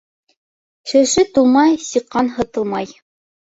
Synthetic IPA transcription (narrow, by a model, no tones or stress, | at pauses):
ʃɘ̆ʃɘt̪ulˠmɑjsiqːɑnɦɤ̆t̪ɤ̆lˠmɑj